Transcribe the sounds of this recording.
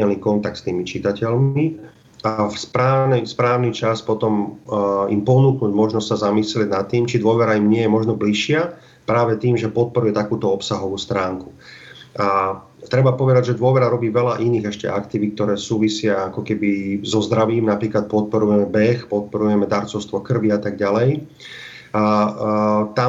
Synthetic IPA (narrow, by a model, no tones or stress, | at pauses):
ɛlniːkɔnt̪ak̚t̪st̪iːmit͡ʃit̪acɛʎi | afspɾaːnɛspɾaːʊnit͡ʃaspɔt̪ɔm | ḭmpɔnuːknuːɟmɔʒnɔstsazamislɪɛɟnat̪ːiːmt͡ʃid̪ʊɔʋɛɾaimɲɪɛjɛmɔʒnɔbliʃɪa | pɾaːʋɛt̪iːmʒɛpɔt̪̚pɔɾujɛt̪akuːt̪ɔɔpsaɦɔʋuːst̪ɾaːŋku̥a | t̪ɾɛbapɔʋɛd̪aɟʒɛd̪ʊɔʋɛɾaɾɔbiːʋɛlaʔiniːɣɛʃcɛ̰ʔa̰kt̪iʋik̚t̪ɔɾɛːsuːʋisɪaakɔkɛbizɔzd̪ɾaʋiːmnapɾiːklat̪̚pɔt̪̚pɔɾujɛmɛbɛxpɔt̪̚pɔɾujɛmɛd̪aɾt͡sɔʊst̪ʋɔkr̩ʋiat̪aɡɟalɛj | t̪a